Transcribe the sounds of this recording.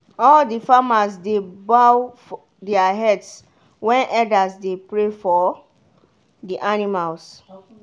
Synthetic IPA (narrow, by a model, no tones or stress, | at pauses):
ɔldifamasdebawf | dɛaɦɛds | wɛ̃nʔɛdasdepɹefɔ | diʔanimals